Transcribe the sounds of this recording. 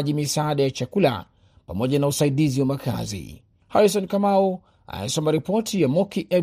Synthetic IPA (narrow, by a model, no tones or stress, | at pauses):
ʄimisaːɗajat͡ʃakula̰ | pamɔʄanausaiɗiziwamaka̰zḭ | haɾis̬ɔnkamau | a̰njsɔmaɾipɔtʰijamɔkiʔɛ